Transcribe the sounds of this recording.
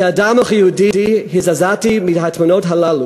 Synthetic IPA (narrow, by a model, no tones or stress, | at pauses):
adamɔχijuditihɪzazatimidɦatʰmunotɦalalu